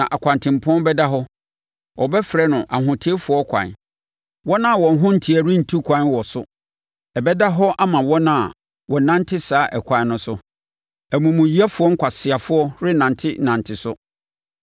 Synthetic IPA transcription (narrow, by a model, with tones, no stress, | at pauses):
nã̰˨ʔa˨kʷʰã˨ntʰɪ̃˨m˨pʰʊ˦ɔ̃˦n˦bɛ˦da˦ɦɔ˦ | wʔɔ˨bɛ˦fɾɛ˦nʊ̃˨ʔa˨ɦʊ̃˨tʰɪ˦e˦fʊ˨ɔ˦kʷʰã̰˨n | wɔ˦nã˦˨wɔ̃˨˦ɦʊ̃˦n̩˨tʰi˨æ˨ɾɪ̃˦n̩˨tʰu˦kʷʰã˨˦nwɔ˨sʊ˦ | ɛ˨bɛ˦da˦ɦɔ˦ʔa˦mã˨wɔ˦nã˦a˨ | wɔ˨nã˦ntʰɪ˦saː˨˦ʔɛ˨kʷʰã˨˦nʊ̃˦sʊ˦ | æ˨mũ˨mũ˨ɥi˦a˦fʊ˦ɔ˦ŋ̩˦kʰʷa˨sɪ˨a˨fʊ˦ɔ˦ɾɪ˦nã˨ntʰɪ̰˦nã˨ntʰɪ˨sʊ˦